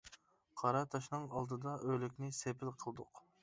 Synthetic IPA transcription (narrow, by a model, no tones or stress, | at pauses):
qʰɑɾɑt̪ʰɑʃnɨŋɑlˠd̪ɨd̪ɑʔølɪkʲnɪsepʰɪlqʰəlˠd̪ʊq